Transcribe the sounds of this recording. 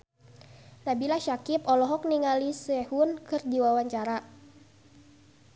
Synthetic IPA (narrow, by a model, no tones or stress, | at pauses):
nabilaʃakipɔlɔɦɔk̚niŋalisɛhunkɨrdiwawaɲt͡ʃaɾa